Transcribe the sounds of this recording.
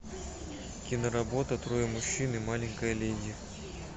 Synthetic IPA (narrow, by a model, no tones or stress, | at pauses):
kʲinərabot̪ət̪rojəmuɕːinɨmalʲɪŋʲkəjəlʲedʲi